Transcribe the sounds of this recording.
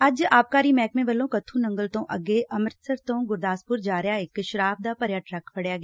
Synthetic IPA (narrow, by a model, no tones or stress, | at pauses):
ɐd͡ʒaːp̚kaːɾimɛːkmẽbɐlːõːkɐt̪ʰũːnɐ̃ŋɡəlt̪õːʔɐ̰ɡeʔɐməɾsəɾt̪õːɡʊɾd̪aːspʊɾd͡ʒaːɾjaekʃɾaːbd̪aːpɐɾjaːʈɾɐkʰpɐɽjaːɡjaː